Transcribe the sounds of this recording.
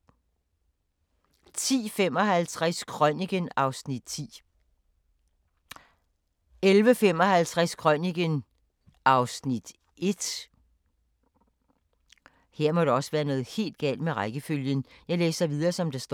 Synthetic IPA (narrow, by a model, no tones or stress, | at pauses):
t͡sʰḭːfem̰ɒ̽ɦælt͡sʰʁaskʰʁœniɡ̥ənɑ̈ʊsnid̥̚t͡sʰḭː | elʋəfem̰ɒ̽hælt͡sʰʁaskʰʁœniɡ̥ən | ʔɑ̈ʊsnid̥ | e̝d̥ | he̝ɐ̰mɒ̽ɾ̥e̝ɒ̽səʋæːɐnɔ̽ːð̞̩ˠhe̝̰ːld̥ɡ̥ɛ̰ːld̥meʁɑɪɡ̥əføljənjɑ̈ɪlḛːsɑʋið̞ˠɐːsɒ̽md̥ɑ̈sd̥